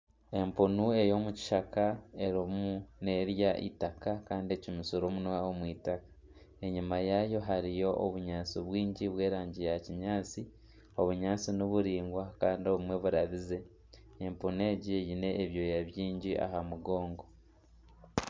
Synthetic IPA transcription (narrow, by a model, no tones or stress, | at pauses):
e̞mpunue̞jo̞muci̥ʃakae̞ɾomune̞ɾjaʔḭtakakaːndiecimisoɾomunwaomwiːtakḁ | e̞ɲumajajo̞ɦaɾijo̞ʔːβuɲaːt͡siβwiːɲɟiβwe̞ːɾaːɲɟijaciɲaːt͡si | o̞βuɲaːt͡sinoβuɾiːŋɡwakaːndio̞βumwe̞βuɾaβize̞ | empune̞ɟijine̞ːβjo̞jaβjiːɲɟiʔa̰hamuɡo̞ːŋɡo̞